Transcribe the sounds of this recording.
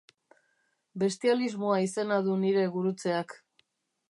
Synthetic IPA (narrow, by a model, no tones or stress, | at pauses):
be̞st̪ializmoaise̞nað̞uniɾe̞ɣuɾut͡se̞ak